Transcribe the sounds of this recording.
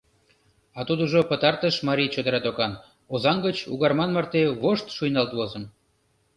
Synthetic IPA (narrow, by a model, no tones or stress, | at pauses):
ɑt̪ud̪uʒopət̪ɑrt̪əʃmɑɾʲit͡ɕod̪əɾæt̪okɑn | ozɑŋɡət͡ɕṵɣɑrmɑnmɑrt̪eβoʃt̪ʃujnɑlt̪βozən